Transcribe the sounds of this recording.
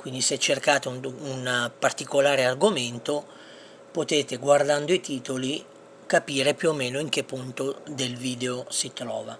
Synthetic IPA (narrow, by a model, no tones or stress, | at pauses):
kwind̪iset͡ʃːerkaːt̪eunpart̪ikolaːɾearɡoment̪o | pot̪eːt̪eɡward̪and̪oit̪iːt̪oli | kapiːɾepjuomːɛːnoiŋk̟epːunt̪od̪elviːd̪eosit̪ɾɔ̰ːva